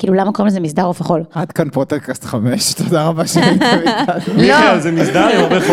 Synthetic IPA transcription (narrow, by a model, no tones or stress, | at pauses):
kiːlulamakoʁimlezemisdaʁofaχolad̪kanpot̪eʁkast̪χameʃt̪ʰod̪aʁabaʃaaialezemisd̪aʁemaʁbe